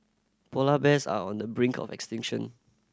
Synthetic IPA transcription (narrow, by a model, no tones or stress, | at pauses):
pʰɔlabɛsa̰ɔ̃ndəbɹɪ̃ŋkʰɔ̰fɛ̰kstɪ̃ŋʃə̰̃n